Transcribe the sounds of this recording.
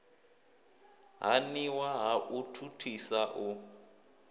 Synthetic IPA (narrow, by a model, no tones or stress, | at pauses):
ɦa̰niwaɦaʔutʰutʰisaʔu